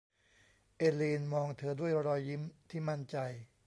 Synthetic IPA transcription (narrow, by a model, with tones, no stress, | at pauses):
ʔeː˧liː˧nmɔː˧ŋt̪ʰɤː˧du˥˩əjɾɔː˧ji˦˥mt̪ʰiː˥˩ma˥˩nt͡ɕa˧j